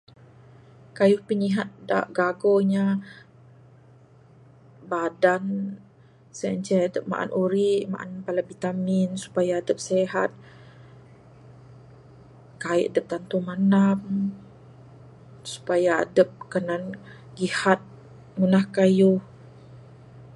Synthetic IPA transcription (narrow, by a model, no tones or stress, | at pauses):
kajʊhpəɲiɦat̪̚da̰ʔɡaɡoɲa | badan | səɲt͡ʃɛadəp̚ma̰ʔa̰nʔuɾiʔma̰ʔa̰npalabit̪aminsu̥pajaːdəp̚seɦat̪̚ | kaiʔadəp̚t̪ant̪umanam | su̥paja̰ːdəp̚kənan | ɡihat̪̚ | munahkajʊh